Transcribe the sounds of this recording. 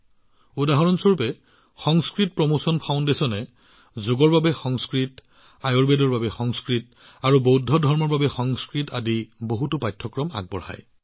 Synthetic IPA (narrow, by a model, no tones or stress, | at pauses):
udaɦɔɹɔnsoɹpɛ | xɔŋskɹit̚pɹɔmosɔnpʰaʊ̃ndesɔnɛ | zʊɡɔɹbabɛxɔŋskɹit | ajɔɹbedɔɹbabɛxɔŋskɹit | aɹubowdʱɔdʱɔɹmɔɹbabɛxɔŋskɹitadiboɦutʊpajtʰːɔkɹɔma̰ɡ̚bɔ̰ɹha̰j